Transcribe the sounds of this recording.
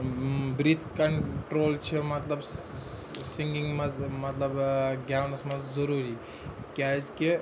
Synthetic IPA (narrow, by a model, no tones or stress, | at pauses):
bɾit̪kɐɳʈɾolt͡ʃʰimɐt̪lɐb | siŋɡʲiŋmɐzmɐt̪lˠɐbɡʲawnɐsmɐzzɐɾuɾi | kʲazkʲe